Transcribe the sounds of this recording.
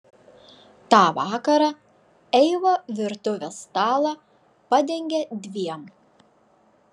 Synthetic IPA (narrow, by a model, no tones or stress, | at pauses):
t̪ɑːʋɑːkɐɾɑ | ɛɪʋoːʋʲɪɾt̪ʊʋʲɛst̪ɑːlˠɑ | pɐd̪ʲɛŋʲɡʲed̪ʲʋʲiɛm